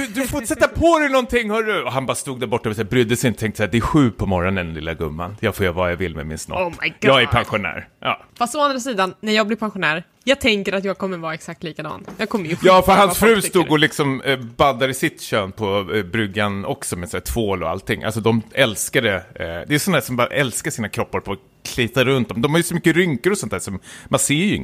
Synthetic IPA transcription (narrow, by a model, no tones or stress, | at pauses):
ɵd̪ɵfosɛt̪ːapʰɔɾɛjnɔnt̪ʰɪŋːhœːɖɵɔɦanbɑːɾast̪uːɡd̪æːɾbɔʈːavɪsaːbɾʏd̪ːəsɪnət̪ʰɛŋkt̪əsɛːɾd̪ɛæɧʉ̟ːpʰɔmɔɾɔnɛnɛnlɪ̰lːaɡɵmːa̰njɑːfoːjavajavɪlːmɛ̰mɪ̰nsnɔ̰pɡjɑːɡæɾpʰanɧʊnæ̰ːɾjɑ̰ːfast̪ɔand̪ɾasiːd̪anːæɾjɑːɡblɪɾpʰanɧʊnæːɾ | jɑːɡ̚t̪ʰɛŋkəɾat̪jɑːɡ̚kʰɔmːəɾvɑːɛksakt̪liːkad̪ɑ̰ːnjɑːɡ̚kʰɔmːəjjɑːfœɾɦansfɾʉ̟ːst̪uːɡɔlɪksɔmbad̪ːaɾɪsɪt̪ɕøːnpʰɔbɾʏɡːanɔksɔmɛsæːt̪ʰvoːlɔ̰a̰lt̪ɪŋːʔa̰lsɔd̪ɔmɛlskad̪ɛd̪ɛːsɔnad̪æːʂɔmbɑɾ̰ʔɛlskaʂiːnakʰɾɔpːaɾpʰɔ | kʰliːt̪aɾɵnt̪̚d̪ɔmd̪ɔmhaɾjɵsɔmʏkːəɾʏŋkəɾɔsɔnt̪æːʂɔmmanseːjɵɪ̰ŋ